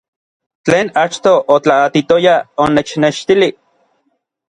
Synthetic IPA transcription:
t͡ɬeːnat͡ʃt̪oʔot͡ɬaːt̪it̪ojaonet͡ʃneʃt̪ili

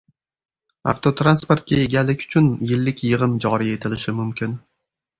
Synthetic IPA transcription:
a̰ft̪ʰot̪ʰɾanspoɾt̪̚kʲae̞ɡʲalːɪkʲʊ̥t͡ʃʰʊnjɪlːɪkʲjɨʁɨmd͡ʒɒɾie̞t̪ʰɪlɪʃɪmʊmkʲʰɪn

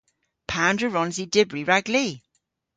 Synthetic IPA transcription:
pʰandɹəɹɔnzidɪbɹiɹaɡli

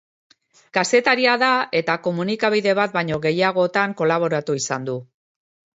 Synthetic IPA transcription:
kase̞t̪aɾiaðae̞t̪ako̞munikaβiðe̞βat̪̚bajɲo̞ɣe̞jaɣ̞o̞t̪aŋko̞laβ̞o̞ɾat̪uisand̪u

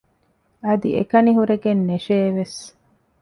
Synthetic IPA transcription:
ɐd̪iekɐniɦuɾeɡenːeʃeːʋes

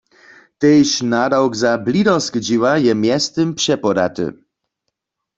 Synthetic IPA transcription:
t̪ɛjɕnad̪awɡzablid̪ɔ̃skd͡ʑiwajɛmjɛst̪ɨmpʂɛpɔd̪at̪ɘ̰

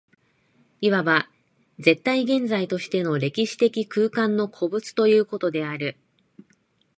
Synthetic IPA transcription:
iβaβa | ze̞t̪ːaiɡẽ̞nd͡zait̪o̞ɕi̥t̪e̞no̞ɾe̞kʲiɕi̥t̪e̞kʲikɯ̟ːkãnːo̞kʰo̞bɯ̟t͡sɨ̥t̪o̞jɯ̟ːko̞t̪o̞d̪e̞aɾɯ̟

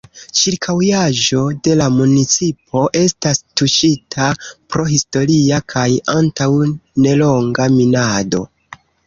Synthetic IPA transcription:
t͡ʃiɾkʰawjaʒo̞de̞lamunit͡sipʰo̞ʔe̞stastuʃitʰapɾo̞ɦisto̞ɾiakʰajantawne̞lo̞ŋɡaminado̞̰

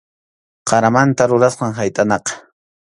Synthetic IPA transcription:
qɑɾamant̪aɾʊɾasqɑŋɦajt̪ʼanɑqɑ̥

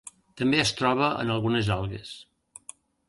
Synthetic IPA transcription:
t̪əmbeəst̪ɾɔβ̞əʔə̰nəlˠɣunəzalˠɣḛs

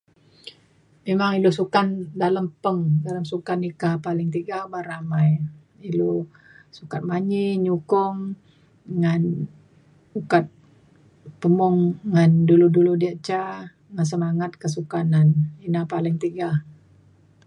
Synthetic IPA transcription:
memaŋilusukandaləmpəŋdaləmsukanikapalɪŋt̪iɡabaɾamaj | ilu | sukat̪̚maɲiɲukʊŋ | ŋan | ukat̪̚ | pəmɔŋːanduluduludiaʔt͡ʃa | ŋans̬əmaŋat̪̚kəs̬ukananinapalɪŋt̪iɡa

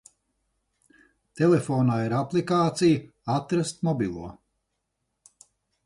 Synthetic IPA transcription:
t̪elefoːnaːiɾaplˠikaːt̪sij | at̪ɾast̪mɔbilˠuɔ

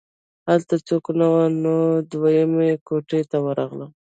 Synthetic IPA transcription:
halt̪at͡soknawanod̪wajəmekoʈet̪awəɾaɣləm

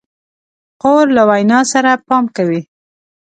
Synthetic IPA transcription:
qoɾlawajnɑsaɾapɑmkawi

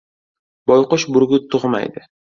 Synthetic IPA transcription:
bɒjqʊʃbʊɾɡʲʊt̪ʰʊʁma̰jd̪ɪ

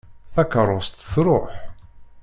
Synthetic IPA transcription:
θækərˤːost̪θɾˤoħ

